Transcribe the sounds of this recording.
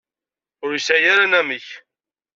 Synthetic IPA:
ʊɾjisæjaɾanæməç

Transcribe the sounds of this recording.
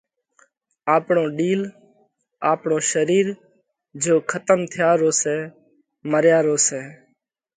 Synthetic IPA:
aːpɳõːɖiːl | aːpɳõːʃəɾiːɾ | d͡ʒoːkʰət̪əmt̪ʰɪjaːɾoːsɛː | məɾjaːɾoːseː

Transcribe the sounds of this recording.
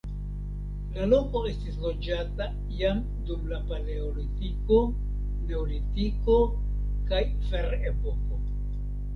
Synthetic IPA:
lalo̞ko̞e̞stislo̞d͡ʒata | jam | dumlapaleolitiko̞ | ne̞olitiko̞ | kaj | fe̞ɾe̞po̞ko̞

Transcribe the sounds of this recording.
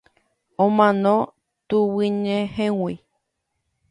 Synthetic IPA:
õmãnõ | t̪uwɨɲẽhẽwi

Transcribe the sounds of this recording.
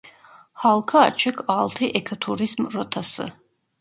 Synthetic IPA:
halˠkʰa̰ːt͡ʃʰəkʰaːlt̪ʰiʔɛkʰət̪ʰuɾizmɾɔt̪ʰasə̰

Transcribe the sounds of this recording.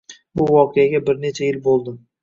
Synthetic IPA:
bʊvɒqʰejaɡʲabɪɾne̞t͡ʃʰajɪlbolˠd̪ɪ

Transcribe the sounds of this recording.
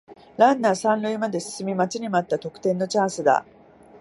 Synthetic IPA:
ɾãnːasãnɾɯ̟imad̪e̞sɨ̥sɨmʲimat͡ɕiɲ̟imat̪ːat̪o̞kɯ̟̥t̪ẽ̞nːo̞t͡ɕãɰ̃sɨd̪a̰

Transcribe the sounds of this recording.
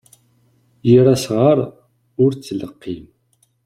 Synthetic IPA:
jiɾasʁaɾˤ | ʊɾt͡sːələqːim

